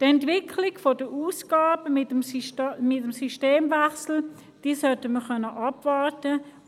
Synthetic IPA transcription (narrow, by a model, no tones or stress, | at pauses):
tɛntvɪkʰlɪɡfodəʔuːsɡ̥aːbəmɪtəmsmɪtəmsyʃteːmvɛχsl̩ | d̥iːsœtəməχœnːəʔɑbvɑʁtə